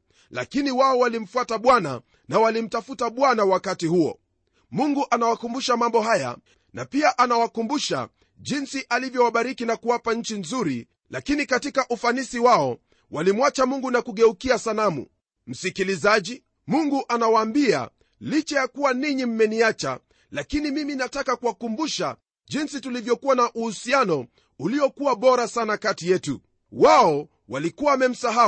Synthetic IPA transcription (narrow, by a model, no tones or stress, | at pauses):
la̰kiniwaɔwalim̩fwataɓwana̰ | nawalim̩tafutaɓwanawakatihuɔ̰ | muŋɡuʔanawakumbuʃamambɔɦaja̰ | napiaʔanawakumbuʃa̰ | ʄinsiʔalivjɔwaɓaɾikinakuwapaɲ̩t͡ʃinzuɾi | lakinikatikaʔufanisiwaɔ | walim̩wat͡ʃamuŋɡunakuɠɛukiasalamṵ | m̩sikilizaʄi | muŋɡuʔanawaːmbia̰ | lit͡ʃɛjakuwaniɲim̩mɛniat͡ʃa̰ | lakinimiminatakakuwakumbuʃa̰ | ʄinsitulivjɔkuwanaʔuhusianɔ | uliɔkuwaɓɔɾasanakatijɛtṵ | waɔ | walikuwaːmɛm̩saɦa